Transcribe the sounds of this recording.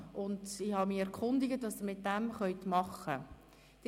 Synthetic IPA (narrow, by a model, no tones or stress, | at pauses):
ʔʊndɪhɑmiɛɾkχʊndɪɡətʋɑːsəmɪt̚dɛmχœʏtmɑχə | d̥